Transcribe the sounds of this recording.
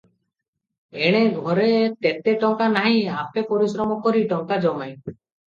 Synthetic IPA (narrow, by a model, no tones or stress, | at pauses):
eɽ̃eɡʱɔɾet̪et̪eʈɔŋkanaɦĩapepɔɾisɾɔmɔkɔɾiʈɔŋkad͡ʒɔmaj̃